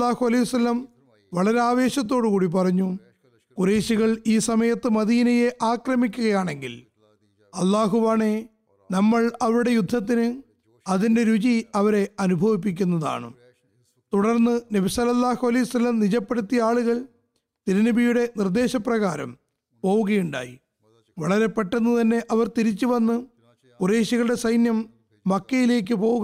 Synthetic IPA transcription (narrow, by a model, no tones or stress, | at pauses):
aːhuɐlɐjʋuɐsɐlːɐm | ʋɐɭɐɾeaːʋe̞ːɕɐt̪̬ːo̞ːɽɨkuːɽip̬ɐrɐɲːu | kureːɕiɣɐɭiːsɐmɐjɐt̪ːɨmɐðiːnɐje̞ʔaːkrɐmikʲːuɣɐjaːɳe̞ŋɡḭl | ɐlːaːɦuʋaːɳe̞ | nɐmːɐɭɐʋɐɾuɽe̞jud̪ʱːɐt̪̬ːinɨ | ɐðinde̞ɾut͡ɕiɐʋɐɾe̞ɐnubʱɐʋip̬ːik̬ʲːunːɐða̰ːɳɨ̰ | t̪uɽɐrnːɨnɐbisɐlɐlːaːhuɐlɐjusɐlːɐmnit͡ɕɐpːeɽut̪ːijaːɭuɣɐɭ | t̪iɾɐnibʱijuɽe̞nird̪e̞ːɕɐprɐɣaːɾɐ̰m | po̞ːʋuɣɐjuɳɖa̰ːji | ʋɐɭɐɾe̞pːɐʈːenːɨt̪ɐnːe̞ʔɐʋɐrt̪iɾit͡ɕːuʋɐnːɨ | pureːɕiɣɐɭuɽe̞sɐjnjɐmː | ɐkːɐjile̞ːk̬ːɨpo̞ːuɣɐ